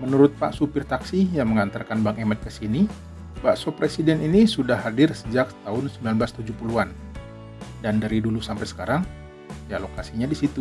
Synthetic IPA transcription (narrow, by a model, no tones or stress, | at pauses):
mənuɾʊt̪̚pa̰ʔsupɪrt̪aksijaŋməŋant̪ərkanbaŋemɛt̪̚kəsini | baʔsopɾesidɛninisudahɦadɪrsəd͡ʒak̚t̪aɦʊnsəmbilanblast̪ud͡ʒuhpuluan | dandaɾidulusampajsə̥kaɾaŋ | jalokasiɲadisit̪u